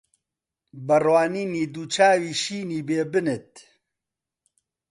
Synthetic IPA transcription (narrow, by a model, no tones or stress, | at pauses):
bɐrwaːniːniːd̪uːt͡ʃʰaːwiːʃiːniːbeːbɨnɨt̪̚